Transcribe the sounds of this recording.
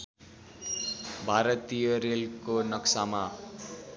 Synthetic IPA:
bʱaɾʌt̪ijʌɾelkonʌksama

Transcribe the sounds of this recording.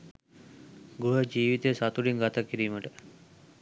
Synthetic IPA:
ɡuɦəd͡ʒiːʋit̪esat̪uɽiŋɡat̪akiɾiːməʈə

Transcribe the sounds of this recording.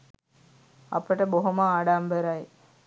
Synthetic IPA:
ɐ̰pəʈəboɦoməaːɖambəɾaj

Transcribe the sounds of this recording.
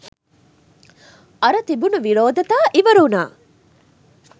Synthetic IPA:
ɐɾɐt̪ibunuʋiɾoːd̪ɐt̪aːʔiʋɐɾuːnaː

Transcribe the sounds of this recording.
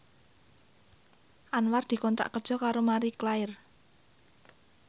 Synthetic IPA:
ʔanward̪̥i̤kɔnt̪ɾa̰ʔkəd̥ʒ̥ɔ̤kaɾomaɾiklaɪr

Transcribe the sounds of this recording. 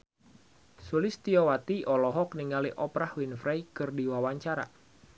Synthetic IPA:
sulɪst̪iɔwat̪iʔɔlɔɦɔkniŋɡaliʔɔpɾahwinfɾajkɨrdiwawaɲt͡ʃaɾa̰

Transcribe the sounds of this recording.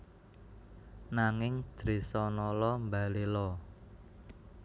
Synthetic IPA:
naŋɪŋd̪̥ɾesɔnɔlɔmbalelɔ

